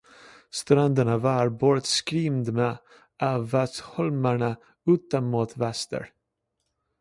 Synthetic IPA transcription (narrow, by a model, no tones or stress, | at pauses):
st̪ɾand̪əɳavaɾbɔɾət̪skɾiːmd̪me | ʔævɛshɔlmaɳa | ʉ̟ːt̪anmut̪ʰvɛst̪ə̰ɾ